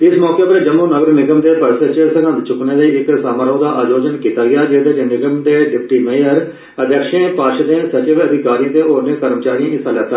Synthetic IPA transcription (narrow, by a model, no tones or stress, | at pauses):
ɪsmɔːkeːpəɾd͡ʒəmːuːnəɡəɾnɪɡəmd̪eːpəɾset͡ʃesəɡãd̪t͡ʃʊkneːləiːɪksaːməɾoːd̪aːʔaːd͡ʒoːd͡ʒənkiːt̪aːɡɪjaːd͡ʒeːd̪eːd͡ʒnɪɡəmd̪eːɖɪp̚ʈiːmẽəɾ | əd̪jəkʃẽːpaːʃd̪ẽːsət͡ʃɪʋəd̪ʱɪkaːɾĩːt̪eːoːɾnẽːk̪əɾmət͡ʃaːɾijãːɪsaːlɛːt̪ːaː